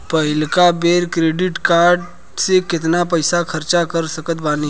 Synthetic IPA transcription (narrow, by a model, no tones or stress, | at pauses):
pɐɪlkabeːɾkɾeːɖɪʈkaːɾɖ | sekɪt̪napɐɪsakʰɐɾt͡ʃakɐɾsəkət̪baːni